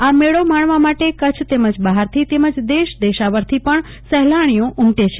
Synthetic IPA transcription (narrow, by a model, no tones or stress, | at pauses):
ameɭomaɳʋamaʈekət͡ʃʰt̪eməd͡ʒbəɦaɾt̪ʰit̪eməd͡ʒd̪eʃd̪eʃaʋəɾt̪ʰipəɳ | sɛɦlaɽ̃ijõʔʊmʈet͡ʃʰe